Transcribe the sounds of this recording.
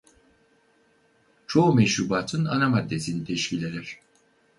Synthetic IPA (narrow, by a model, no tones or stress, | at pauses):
t͡ʃʰo̞mɛʃɾubaːt̪ʰɯnanamad̪ːesinit̪ʰɛʃcʲilʲelɛɾ̥